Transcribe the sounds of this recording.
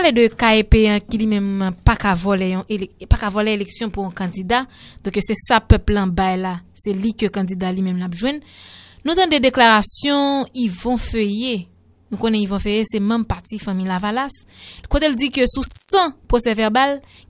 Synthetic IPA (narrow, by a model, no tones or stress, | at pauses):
aledøkaepeãkilimɛ̃mpakavɔlejɔ̃ʔelpakavɔleeleksjɔ̃puɔ̃kɐ̃d͡zid̪ad̪ɔ̃køsɛsapœplãbajlasɛlikøkɐ̃dd͡zid̪alimɛ̃mlapʒwɛ̃nnũt̪ɐ̃dedeklaʁasjɔ̃ivɔ̃føje | nũkõnɛivɔ̃fejesɛmɐ̃mpaʁtifãmĩlavalas | kot̪eld͡zikøsusɐ̃pʁosɛvɛʁbal